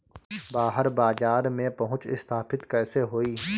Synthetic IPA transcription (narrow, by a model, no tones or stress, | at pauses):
baːɦəɾbaːzaːɾmẽpɐɦʊ̃t͡ʃɪ̰st̪ʰaːpʰɪt̪kɛːseɦoːiː